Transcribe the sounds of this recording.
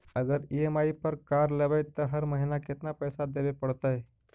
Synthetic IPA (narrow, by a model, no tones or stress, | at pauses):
əɡəɾiemaipəɾkaɾləʋəjt̪əɦəɾməɦinakɪt̪napəjsad̪eʋepəɽt̪ae